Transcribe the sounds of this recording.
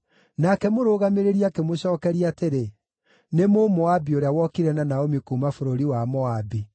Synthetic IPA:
nakɛmoɾoɣameɾeɾiakemoɕɔːkɛɾiateɾe | nemomɔabioɾejawɔkiɾɛnanaomikuːmafoɾoɾiwamɔabi

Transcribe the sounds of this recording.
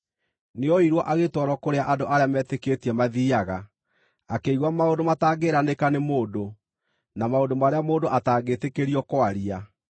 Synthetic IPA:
neɔiɾwɔʔaɣetwɔɾɔkoɾeaʔadoʔaɾeamɛteketiɛmaðiaɣa | akeiɣwamaondomataːɡeɾanekanemoːdo | namaondomaɾeamoːndoʔataːɡetekeɾiɔkwaɾia

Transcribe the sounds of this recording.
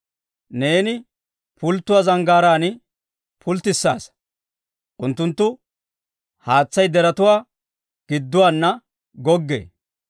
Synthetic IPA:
ne̞ːnɪ | pʊlt̪ːʊwaːzɐŋɡaːɾaːnɪ | pʰʊlt̪ːɪsːa̰ːs | ʔʊnt̪ːʊnt̪ːʊ | haːt͡sːɐjd̪ɛɾɐt̪ʊwaː | ɡ̥ɪd̪ːʊwaːnːɐ | ɡɔɡːḛː

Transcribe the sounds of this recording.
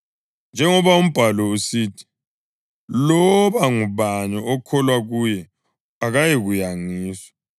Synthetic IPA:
nd͡ʒʱɛŋɔβaum̩b̥ʱalɔusiːtʰi̥ | lɔβaŋuβaɲɔɔkʰɔlwaɣuːjɛ | aɣajeɣujaŋiːswḁ

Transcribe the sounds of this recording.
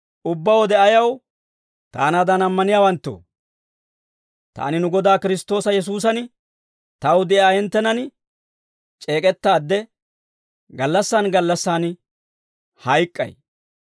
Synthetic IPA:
ʔʊbːɐwɔd̪ɛʔɐjɐw | t̪a̰ːnaːd̪ɐnɐmːɐnɪjaːwɐnt̪ːo̰ː | t̪a̰ːnɪnʊɡɔd̪aːkɪɾɪst̪o̞ːsɐjɛs̬uːs̬ɐn | t̪ɐwd̪ɛʔaːjɛnt̪ːɛnɐn | t͡ʃʼe̞ːkʼɛt̪ːaːd̪ːɛ | ɡɐlːɐsːaːnɡɐlːɐsːaːn | hɐjkʼːɐ̰j

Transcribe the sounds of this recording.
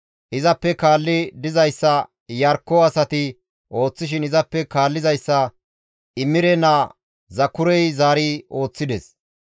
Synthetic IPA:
ʔɪzɐpːɛkaːlːɪd̪ɪzɐjsːɐ | jɐɾkːɔɐsɐt̪ɪ | ʔo̞ːt͡sːɪʃ̬ɪnɪzɐpːɛkaːlːɪzɐjsːɐ | ɪmːɪɾɛna | zɐkːʊɾɛjzaːɾio̞ːt͡sːɪd̪ɛs

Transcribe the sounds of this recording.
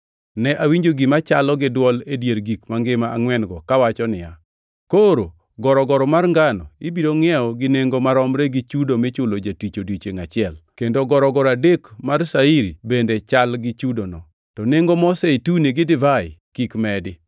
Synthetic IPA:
nɛʔawiɲd͡ʒoɡɪmat͡ʃalɔɡɪdwɔledjeɾɡikmaŋɡɪmaʔːŋwɛnɡɔkawat͡ʃɔnɪja | koɾo | ɡɔɾɔɡɔɾɔmarŋɡanɔ̰ibiɾoŋɛɔɡɪneŋɡomaɾɔmɾeɡɪt͡ʃudomɪt͡ʃʊlod͡ʒatit͡ʃodit͡ʃeŋat͡ʃɪɛlkendoɡɔɾɔɡɔɾadekmarsaiɾibendet͡ʃalɡɪt͡ʃudonɔ | tɔneŋɡomɔsɛituneɡɪdɪvaɪkikmɛdɪ

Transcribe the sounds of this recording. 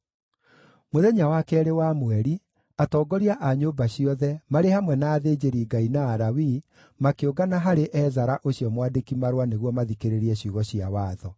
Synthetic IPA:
moðɛɲawakɛɾewamwɛɾi | atɔːɡɔɾiaʔaɲoːbaɕiɔðɛmaɾehamwɛnaːðeːd͡ʑeɾiːɡainaːɾawi | makeoɡanaɦaɾeʔɛzaɾaʔoɕiɔmwadekimaɾwaneɣwɔmaðikeɾeɾiɛɕuɣɔɕiawaːðɔ

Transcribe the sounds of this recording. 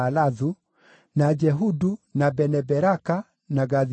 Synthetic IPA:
laðu | nad͡ʒɛɦudunabɛnɛbɛɾaka | naɡað

